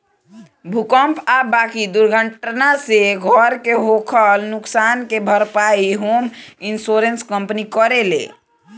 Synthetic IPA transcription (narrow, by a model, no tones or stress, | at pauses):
bʱukəmpʰabakid̪uɾɡʱəʈnaseɡʱəɾkeɦokʰəlnʊksankebʱəɾpaiɦominsoɾenskəmpnikəɾelḛ